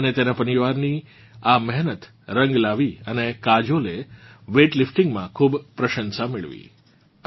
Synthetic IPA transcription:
ənet̪enapəniʋaɾni | amɛɦnət̪ | ɾə̃ŋɡlaʋiənekad͡ʒoleʋeʈlɪfʈɪ̃ŋɡmã̰kʰuːbpɾəʃə̃nsamɪɭʋḭ

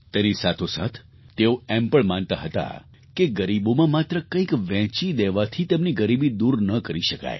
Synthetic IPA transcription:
t̪enisat̪ʰosa̰t̪ʰː | eoɛmpəɳmant̪aɦət̪a̰ | keɡəɾibomãmat̪ɾəkə̃ĩkʋɛ̃t͡ʃid̪eʋat̪ʰit̪emniɡəɾibid̪uɾnəkəɾiʃəka̰j

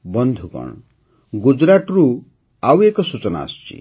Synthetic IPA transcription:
bɔnd̪ʱukɔ̰ɳ̃ | ɡud͡ʒɾaʈɾu | awekɔsut͡ʃɔna̰ɔ̰st͡ʃḭ

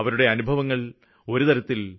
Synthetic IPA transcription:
ɐʋɐɾuɽe̞ɐnubʱɐʋɐŋːɐɭ | o̞ɾut̪ɐɾɐt̪ːil

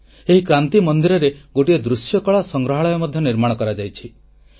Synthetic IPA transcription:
eɦikɾant̪imɔnd̪iɾɔɾeɡoʈied̪ɾusjɔkɔɭasɔŋɡɾɔɦɔɭɔjɔmɔd̪ʱjɔniɾmaɽ̃ɔkɔɾad͡ʒajt͡ʃʰi

